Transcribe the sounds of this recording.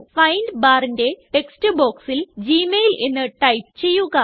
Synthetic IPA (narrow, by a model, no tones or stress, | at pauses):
fɐjɳɖbaːɾinde̞ʈe̞kstɨbo̞ːksild͡ʑiːmejlʔenːɨʈɐjp̚t͡ɕe̞jːuɣɐ